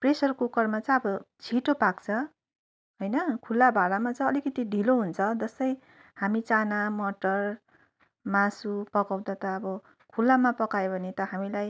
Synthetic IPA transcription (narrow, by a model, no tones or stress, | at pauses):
presʌrkukʌrmat͡sʌj̃ʌbʌt͡sʰiʈopakt͡sʰʌ | ɦojnʌkʰulːabʱaɾamat͡sʌ̃ʌlikʌt̪iɖʱiloɦunt͡sʰʌd͡zʌst̪ʌj | hamit͡sanamʌʈʌr | masupʌkaw̃d̪at̪ʌːbʌ | kʰulːamapʌkajobʱʌnet̪ʌɦamilaj